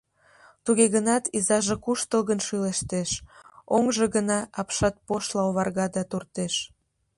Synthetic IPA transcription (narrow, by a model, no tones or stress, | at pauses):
t̪uɣeɣənɑt̪izɑʒekuʃt̪əlɣənʃyleʃt̪eʃoŋʒe̽ɣənɑɑpʃɑt̪̚poʃlɑoβɑrɣɑd̪ɑt̪urt̪eʃ